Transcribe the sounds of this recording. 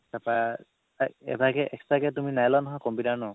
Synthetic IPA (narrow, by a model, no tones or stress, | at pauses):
sapa | taɛ̰bʱakɛʔɛkstɹakɛt̬uminajlanɔɦɔjkɔmpidaɹnɔ